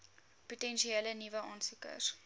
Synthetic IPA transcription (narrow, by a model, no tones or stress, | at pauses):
putɛnʃieːlənivəʔɑːnsukə̰r